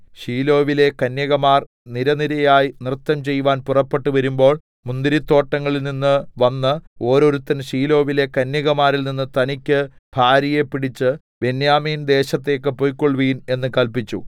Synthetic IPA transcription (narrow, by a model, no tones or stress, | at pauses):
ɕiːlo̞ːʋile̞kɐnjɐɣɐmaːr | niɾɐniɾɐjaːjinrɨt̪ːɐmt͡ɕe̞jːuʋaːnpurɐpːe̞ʈːuʋɐɾumbo̞ːɭ | mund̪iɾit̪ːo̞ːʈːɐŋːɐɭilninːɨʋɐnːɨo̞ːɾo̞ɾut̪ːɐnɕiːlo̞ːʋile̞kɐnjɐɣɐmaːɾilninːɨt̪ɐnikʲːɨb̥ʱaːɾije̞pːiɽit͡ɕːɨ | be̞njaːmiːnd̪e̞ːɕɐt̪ːe̞ːkːɨpojkːo̞ɭʋiːne̞nːɨkɐlpit͡ɕːṵ